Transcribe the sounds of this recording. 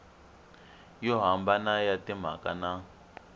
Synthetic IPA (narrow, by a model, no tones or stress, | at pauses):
jɔɦambanajatim̤a̰ka̰na